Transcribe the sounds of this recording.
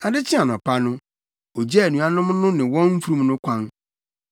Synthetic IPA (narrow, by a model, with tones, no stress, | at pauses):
a˨dɪ˦t͡ɕʰɪ˦a˨n˨ɔ̃˨pʰa˦nʊ̃˦ | o˨d͡ʑɛ˦˨nũ˨a˦nʊ̃˦mnʊ̃˦nɪ̃˨wɔ̃˦nm̩˦fu˦ɾũ˦mnʊ̃˦kʷʰã˦n